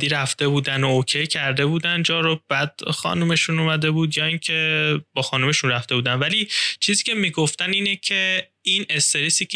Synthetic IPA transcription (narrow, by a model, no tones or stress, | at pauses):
iːɾæft̪e̞buːd̪ænoocʰejcʰæɾd̪e̞buːd̪ænd͡ʒɒːɾobæd̪̥xɒ̰ːnume̞ʃunumæd̪e̞buːd̪jɒːiŋcʰe̞bɒːxɒːnume̞ʃunræft̪e̞buːd̪ænvælit͡ʃʰiːziːcʰe̞miːɡoft̪æniːnecʰe̞ | ine̞st̪e̞ɾisiːcʰ